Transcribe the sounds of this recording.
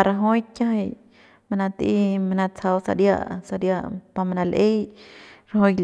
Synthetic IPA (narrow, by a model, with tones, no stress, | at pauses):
a˧ɾa˧ɦo˦jkʲa˦ɦa˧j | ma˧na˧t̪ḭ˧˦ma˧na˧t͡sʰa˧wsa̰˧ɾja̰˦˧ʔsa˧ɾja˧ʔpa˧ma˧na˧lʔe˦jɾa˧ɦo˧